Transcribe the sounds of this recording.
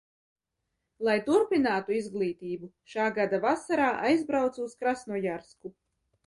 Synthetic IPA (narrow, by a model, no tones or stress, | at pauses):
lˠajt̪uɾpinaːt̪uizɡlˠiːt̪iːbuʃaːɡad̪avasaɾaːʔajzbɾawt̪suːskɾasnujaɾsku